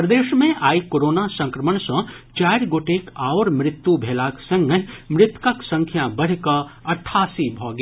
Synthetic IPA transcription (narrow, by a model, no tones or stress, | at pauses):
pɾəd̪eːʃmẽʔaːikoːɾoːnasə̃ŋkɾəməɳsə̃t͡ʃaːɪɾɡoːʈekaʊɾmɾɪt̪ːjubʱeːlaksə̃ŋɡəmɾɪt̪kəksə̃ŋkʰjabəɽ̤kəɐʈʰːaːsibʱɔɡe